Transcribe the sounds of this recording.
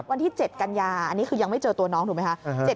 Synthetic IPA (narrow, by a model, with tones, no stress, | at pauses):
wa˧nt̪ʰiː˥˩t͡ɕe˨˩t̪̚ka˧njaː˧ʔa˧nːiː˦˥kʰɯː˧ja˧ŋma˥˩jt͡ɕɤː˧t̪u˧ɐnɔː˦˥ŋt̪u˨˩m˦jkʰa˦˥t͡ɕe˨˩